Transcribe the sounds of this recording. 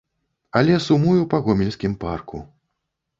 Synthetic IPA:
ɐlʲɛsumujupɐɣɔmʲilʲsʲkʲimparku

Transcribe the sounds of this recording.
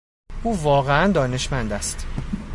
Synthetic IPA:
ʔuːvɒːɣeænd̪ɒːne̞ʃmænd̪æst̪

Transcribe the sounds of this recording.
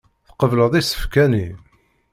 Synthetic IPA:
θqəvləðˤisːə̥fkæni

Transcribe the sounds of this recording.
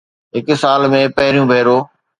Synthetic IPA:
ɦɪksaːlmẽːpɐɦɪɾijũːbʱeːɾoː

